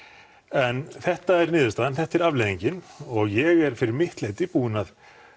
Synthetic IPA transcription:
ɛnθɛht̪aɛɾnɪːðʏsaːðɛnθɛht̪ɛɾavleːðiɲcɪnɔɣjɛɣɛɾ̥fɪɾɪɾmɪht̪leːjt̪ɪpuːɪnað

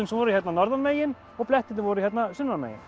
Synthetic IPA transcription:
ʏnsvɔːɾʏiçjɛt̪nanɔɾðanmeːjɪn | ɔɣplɛht̪ɪnɪvɔɾʏijɛt̪nasʏnːanmḛjɪ̰n

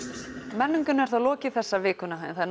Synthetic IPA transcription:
mɛnːʏŋkʏnɛɾ̥θalɔːcɪθɛsːavɪːkʏnaɛ̰nθaðn

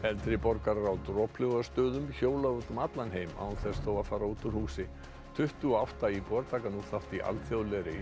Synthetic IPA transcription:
ɛnt̪ɾɪpɔɾkaɾɾawt̪ɾɔpʰlʏɣast̪œːðʏmçoːwlaɣʏt̪ʏmat̪lanɦeːjma̰wθɛsθowafaːɾauːt̪ʏɾhuːsɪ | t̪ʰʏht̪ʏɔawht̪aipɔɾt̪ʰaːkanuθaft̪iʔa̰lt̪fjoðlɛɾɪ

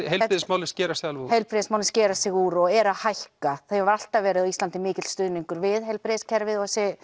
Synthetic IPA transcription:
hej̪ɪðsmaːwlɪnscɛːɾasalvhejlpɾeðsmaːwlɪnscɛːɾasɪɣuɾɔɣɛɾaðhajhkaθejavaɾal̥t̪avɛːɾɪðaðist̪ant̪ɪmɪːcɪt̪st̪ʏðniŋkʏɾvɪðhejlpɾescʰɛɾvɪðɔsɛ

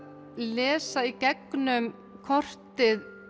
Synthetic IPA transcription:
lɛːsaicɛknʏm | kʰɔr̥t̪ɪð

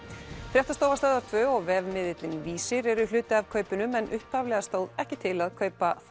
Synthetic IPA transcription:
fɾjɛht̪ast̪oːwvast̪œːðaɾ̥t̪ʰvœːɔɣvɛːvmɪðɪt̪lɪnviːsɪɾɛɾʏlʏːt̪ɪavkʰœːɥpʏnʏmɛnʔʏhphavlɛɣast̪oːwðɛhcɪt̪ʰɪlaðkʰœɥpaθ

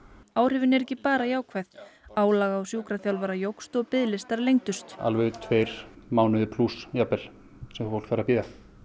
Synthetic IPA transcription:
aːwr̥ɪvɪnɛɾɛcːɪpaːɾajaːwkʰvɛθaːwlaːɣaːwsjuːkɾaθjawlvaːɾajowxst̪ɔɣpɪðlɪst̪aɾlejŋt̪ʏst̪a̰lvɛʏt̪ʰvejɾ̥maːwnʏðɪpʰlusjapɛl̥ | sɛmffowl̥kfaːɾapiːða

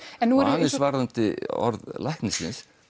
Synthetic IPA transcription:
ɛnːuɛɾanːɛɾsvaːɾðant̪ɪɔ̰ɾðlajhknɪsɪ̰ns

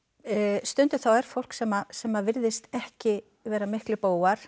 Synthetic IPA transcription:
st̪ʏnt̪ʏ̥θawɛɾ̥fowl̥ksɛmːasɛmːavɪɾðɪst̪ɛhcɪ | vɛːɾamɪhklɪpoːwaɾ̥

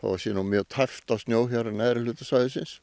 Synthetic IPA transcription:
θa̰asiːnʊmjœːt̪ʰɛft̪asnjoːwɦaɾnɛɾɪlʉːt̪ḁsajðɪsɪns

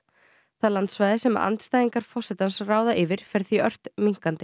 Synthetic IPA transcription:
θaðlant̪svajðɪsɛma̰a̰nt̪st̪aːjðiŋkaɾ̥fɔrsɛt̪ansraːwðaʔɪvɪɾ̥fɛɾ̥θiœr̥t̪miŋ̥kant̪ɪ̥

